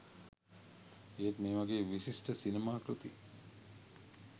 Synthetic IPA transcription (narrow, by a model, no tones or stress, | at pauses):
eːtmeːʋaɡeːʋisisʈəsinemaːkɾut̪i